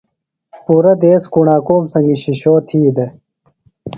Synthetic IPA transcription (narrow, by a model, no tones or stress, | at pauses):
puːɾɐd̪eːskuɳaːkoːmsɐŋɡiɕiɕoːt̪ʰiːd̪e